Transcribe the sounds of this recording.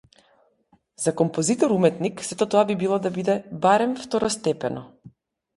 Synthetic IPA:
z̥akɔmpɔzit̪ɔɾumɛt̪niksɛt̪ɔt̪ɔabibilˠɔd̪abid̪ɛbaɾɛmft̪ɔɾɔst̪ɛpɛnɔ

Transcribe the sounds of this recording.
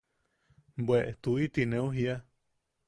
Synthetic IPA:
bweʔet̪uit̪inẽũɦia

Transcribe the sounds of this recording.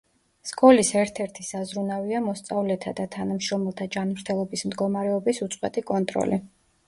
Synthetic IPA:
skʼɔlisɛɾt̪ʰɛɾt̪ʰisazɾunaviamɔst̪sʼavlɛt̪ʰad̪at̪ʰanamʃɾɔmɛlˠt̪ʰad͡ʒanmɾt̪ʰɛlˠɔbismd̪ɡɔmaɾɛɔbisut̪sʼwɛt̪ʼikʼɔnt̪ʼɾɔ̰li

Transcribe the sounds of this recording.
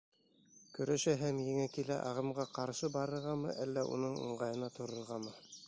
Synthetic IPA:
kɵ̆ɾæʃæɦæmjɘ̆ŋækilæ̰ʔɑ̰ʁɤ̆mʁɑqɑɾʃɤbɑɾɤ̆ɾʁɑmɤ̰ʔælːæʔṵnɤɴṵɴʁɑjɤ̆nɑt̪ʰŏɾɤ̆ɾʁɑmɤ

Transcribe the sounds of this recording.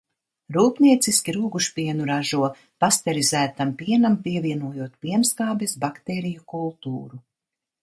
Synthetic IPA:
ɾuːpniɛt̪siskʲiɾuːɡuʃpiɛnuɾaʒuɔ | past̪ɛɾizæːt̪ampiɛnampiɛviɛnuɔjuɔt̪̚pʲiɛnskaːbɛsbakt̪ɛːɾijukulˠt̪uːɾu

